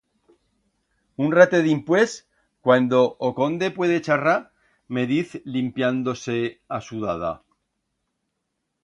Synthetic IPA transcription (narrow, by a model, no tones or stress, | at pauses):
unrat̪eðimpwe̞s | kwand̪o̞ʔoko̞nd̪e̞pwe̞ð̞e̞t͡ʃara | me̞ðiθlimpjand̪o̞se̞asuðaða̰